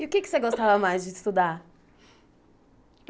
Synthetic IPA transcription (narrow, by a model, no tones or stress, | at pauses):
iʊkekɪ̥seɡost̪avɐmajzd͡ʒɪst̪ud̪aɾ